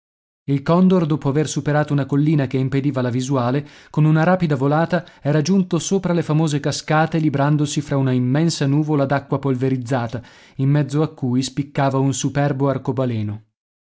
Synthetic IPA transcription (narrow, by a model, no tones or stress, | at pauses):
ilkɔnd̪ord̪oːpoaversupeɾaːt̪ounakolːiːnakeimped̪iːvalavizwaːlekonunaɾaːpid̪avolaːt̪aɛːɾad͡ʒunt̪osoːpɾalefamoːzekaskaːt̪elibɾand̪osifɾaunaimːɛnsanuːvolad̪akːwapolveɾid̪zːaːt̪a | imːɛd̪zːoakːujspikːaːvaunsupɛrboarkobalɛːno